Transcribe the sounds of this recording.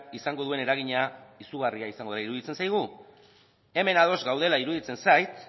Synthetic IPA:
isaŋɡo̞ð̞ue̞ne̞ɾaɣ̞iɲaisuɣariaisaŋɡoelaiɾuðit͡se̞nsajɣ̞u | e̞me̞nað̞o̞zɡawð̞e̞laiɾuðit͡se̞nsajt̪

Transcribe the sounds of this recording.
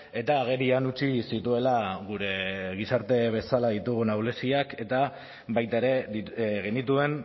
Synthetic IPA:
e̞t̪aːɣ̞e̞ɾianut͡ʃisit̪ue̞laɣuɾe̞ɣ̞isaɾt̪e̞β̞e̞salaðit̪uɣunawle̞siake̞t̪a | βajt̪aeɾe̞ɣe̞nit̪ue̞n

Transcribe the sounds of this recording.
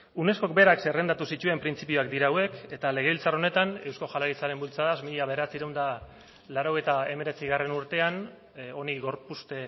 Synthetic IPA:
une̞sko̞k̚be̞ɾaksere̞nd̪at̪usit̪ue̞mpɾint͡sipioakd̪iɾaːwe̞ke̞t̪ale̞ɣ̞eilt͡saro̞ne̞t̪ane̞wsko̞ʝalaɣit͡saɾe̞mbult͡saðasmiʎaβe̞ɾat͡siɾawnd̪a | laɾo̞ɣ̞ejt̪ae̞me̞ɾe̞t͡siɣare̞nuɾt̪e̞an | o̞niɣo̞ɾpust̪e̞

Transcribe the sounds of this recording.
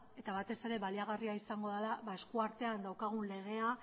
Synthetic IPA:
e̞t̪aβat̪e̞se̞ɾe̞βaliaɣ̞ariaisaŋɡo̞ðalaβae̞skuaɾt̪e̞and̪awkaɣ̞unle̞ɣ̞e̞a

